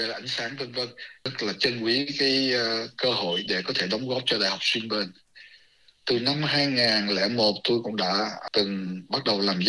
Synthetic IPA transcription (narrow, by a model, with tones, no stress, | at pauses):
ə˧˨˩ʔa˧˩jŋ̟saː˨˦ŋt̪ə˧nvə˧nə˦˥k̚laː˨˩t͡ɕə˧nʔwi˨˦kaː˨˦jkəː˧ho̰˧˨jɗe˧˩kɔ˨˦t̪ʰe˧˩ɗɔ˨˦wŋ͡mɣɔ˦˥p̚t͡ɕɔ˧ɗa̰ː˧˨jha˨˩wk͡p̚swi˧nɓe˧˩n | t̪ɨ˨˩na˧mhaː˧jŋaː˨˩nlɛ̰˧˥mo˨˩t̚t̪o˧jkʊ̰˧˥ŋ͡mɗa̰ː˧˥t̪ɨ˨˩ŋɓa˦˥t̚ɗə˨˩wlaː˨˩mz